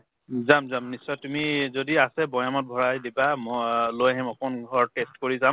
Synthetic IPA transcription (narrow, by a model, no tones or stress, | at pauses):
zamzamnisɔjtumizodiasɛbɔjamɔt̚bʱɔɹajdibamlojɦɛmɔkɔnɡʱɔɹtestkoɹizam